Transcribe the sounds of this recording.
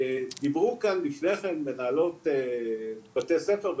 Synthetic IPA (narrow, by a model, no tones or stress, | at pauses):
d̪ibʁukanlifne̞χe̞mbenaːlo̞tebat̪esefeʁb